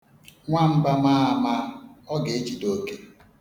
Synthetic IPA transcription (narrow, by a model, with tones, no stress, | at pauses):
ŋʷa˦m̩˦ba˦maː˦a˨ma˦ɔ˦ɡe˨e˦t͡ʃi˨do˦ke˦